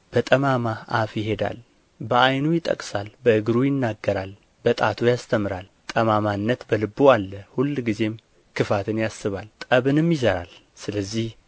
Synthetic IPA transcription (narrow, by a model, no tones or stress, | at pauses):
b̥ət̪ʼəmamaʔafjɪɦe̞d̪a̰l | bəʔajnujɪt̪ʼə̰kʼsalbəɨɡɾujɪnːaɡːəɾal | b̥ət̪ʼat̪ʰujast̪ʰəmɨɾal | t̪ʼəmamanːət̪bəlɨbːoalːəhulːɡize̞m | kʰɨfat̪ʰɨnjasːɨβalt̪ʼəβɨnɨmjɪzəɾa̰l | sɨləzːih